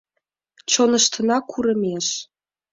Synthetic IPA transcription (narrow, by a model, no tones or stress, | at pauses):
t͡ɕonəʃt̪ə̆nɑkʰuɾə̆mʲeʃ